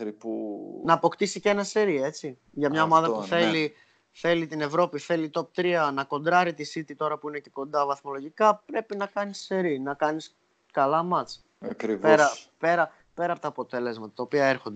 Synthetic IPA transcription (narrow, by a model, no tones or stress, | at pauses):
ɾipunɐːpo̞kt̪isice̞nɐse̞ɾie̞t͡si | ʝɐmɲɐo̞mɐðɐppuθe̞li | θe̞lit̪ine̞vɾo̞piθe̞lit̪o̞p̚t̪ɾiɐnɐko̞nd̪ɾɐɾit̪isit̪it̪o̞ɾɐpuine̞ce̞ko̞nd̪ɐvɐθmo̞lo̞ʝikɐpɾe̞pinɐkɐnisse̞ɾinɐkɐnis | kɐlɐmɐt͡s | ɐkɾipeɾɐpe̞ɾɐ | pe̞ɾɐpot̪ɐːpo̞t̪e̞le̞zmɐt̪ɐt̪ɐopiɐe̞ɾxo̞nd̪